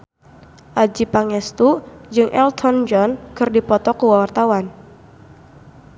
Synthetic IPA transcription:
ʔad͡ʒipaŋɛst̪ud͡ʒɨŋʔɛlt̪ʰɔnd͡ʒɔnkɨrdipɔt̪ɔkuwawart̪awan

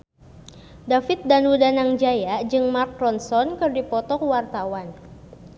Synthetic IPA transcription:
dafɪt̪̚danudanaŋd͡ʒajad͡ʒɨŋmark̚ɾɔnsɔnkɨrdipɔt̪ɔkwart̪awan

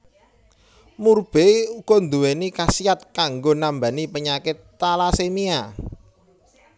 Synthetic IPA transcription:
murb̥eukond̪uwenikasiat̪̚kaŋɡonamba̤nipəɲakɪt̪ːalasemia

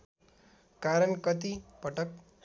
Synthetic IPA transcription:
kaɾəɳkʌt̪ipəʈək̚

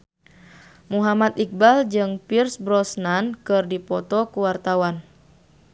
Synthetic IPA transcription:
muɦamat̪ik̚bald͡ʒɨŋpirsbɾɔsnankɨrdipɔt̪ɔkuwart̪awan

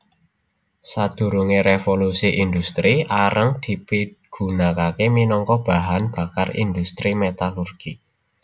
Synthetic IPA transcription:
sad̪̥ṳɾuŋeɾefolusiʔind̪ust̪ɾiʔaɾʔəŋd̪̥i̤piɡ̥ṳnakakeminɔŋkɔb̥a̤ɦanb̥a̤karḭnd̪ust̪ɾimet̪alurɡ̥i

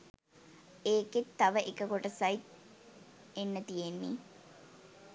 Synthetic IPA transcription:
eːket̪ːɐʋəʔekəkoʈəsajt̪ | enːət̪ijenːḭ

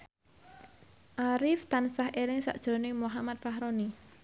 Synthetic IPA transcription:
ʔaɾɪft̪ansahelɪŋsa̰ʔd̥ʒ̥ɾonɪmuɦamat̪̚fahɾoni

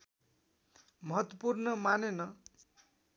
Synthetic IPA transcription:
mʌɦʌt̪wʌpurnʌmanenʌ

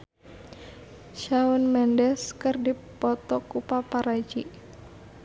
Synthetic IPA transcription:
ʃaunmɛndɛskɨrdipɔt̪ɔkupapaɾad͡ʒi

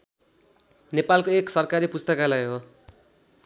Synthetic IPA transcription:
nepalkoeksʌrkaɾipust̪ʌkalajɦo

